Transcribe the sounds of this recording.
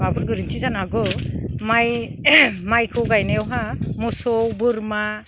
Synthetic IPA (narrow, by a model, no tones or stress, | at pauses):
abɯɾɡɯɾɯntʰizanaɡɔmaj | majkʰɔɡajnajɔwɦamɔsɔwbɯɾma